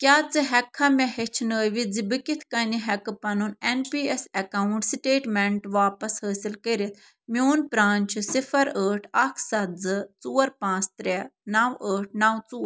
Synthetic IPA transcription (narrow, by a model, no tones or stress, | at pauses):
kʲaːt͡sɨɦɛkʰːamʲɛɦet͡ʃʰnəːʋid͡zibɨkit̪ʰkɐniɦɛkpɐnunenpiːɛsɐkauɳʈsʈeːʈmeɳʈʋaːpɐshəːsilkəɾit̪ʰ | mʲjoːnpɾaːnʲt͡ʃʰɨsifʰɐɾəːʈʰɐkʰsɐt̪zɨt͡suːɐɾpãːt͡st̪ɾɛnawəːʈʰnɐwt͡suːɐ